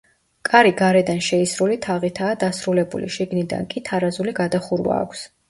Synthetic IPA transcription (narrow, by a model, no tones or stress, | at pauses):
kʼaɾiɡaɾɛd̪anʃɛisɾulit̪ʰaʁit̪ʰaːd̪asɾulɛbṵlḭʃiɡnid̪a̰nkʼit̪ʰaɾazuliɡad̪aχuɾwa̰ːkʷʰs